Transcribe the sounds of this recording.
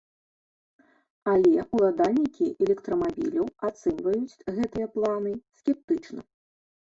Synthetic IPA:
alʲɛulˠad̪alʲnʲikʲiʔɛlʲɛkt̪ɾɔmabʲḭlʲɐwat̪sɛmvɐjut͡sʲɣɛt̪ɨjɐplˠanɨskʲɛp̚t̪ɨt͡ʂnɐ̰

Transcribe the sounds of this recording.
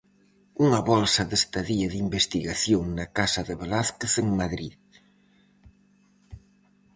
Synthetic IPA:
uŋɐβɔlsɐðest̪aðiɐðimbest̪iɣaθjoŋnɐkasɐðeβelaθkeθeŋmaðɾið

